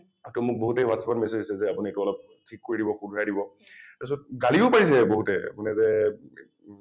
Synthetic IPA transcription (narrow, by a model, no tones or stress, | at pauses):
atumʊk̚boɦutejwatsapanmɛsodisɛzɛapunietuɔlɔp̚ | tʰikːoɹidibɔxundʱajdibɔ | tasɔt̚ɡaliʊpaɹis̬ɛboɦutɛa̰punɛzɛ